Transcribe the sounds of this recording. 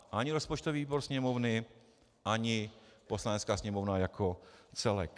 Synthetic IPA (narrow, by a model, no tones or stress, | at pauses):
ʔaɲɪɾospot͡ʃt̪oviːiːboɾsɲɛmovnɪ | ʔaɲɪpo̞slanɛt͡skaːsɲɛmovnajakʰot͡sɛlɛ̰k